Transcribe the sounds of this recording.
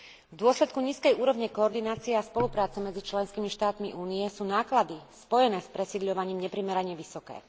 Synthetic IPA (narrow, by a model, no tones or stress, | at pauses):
vd̪ʊɔslɛt̪kuɲiːskɛjuːɾɔʋɲɛkɔɔɾd̪inaːt͡siɛaspɔlupɾaːt͡sɛmɛd͡zit͡ʃlɛnskimiʃt̪aːt̪miʔuːniɛsuːnaːklad̪ispɔjɛnɛːspɾɛsiːd̪ʎɔʋaɲiːmɲɛpɾimɛɾaɲɛʋisɔkɛ̰ː